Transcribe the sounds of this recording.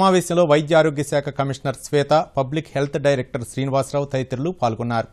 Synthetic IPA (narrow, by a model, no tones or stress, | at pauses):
maːʋɛːɕɐmlo̞ːʋɐjd̪jaːɾo̞ːɡjɐsaːkʰɐkɐmiʂnɐɾsʋɛːt̪ɐpɐblikhe̞lt̪ʰɖɐjɾek̚ʈɐɾʃɾiːniʋaːsɾaːwt̪ɐjt̪ɾulupaːlɡunːaːɾu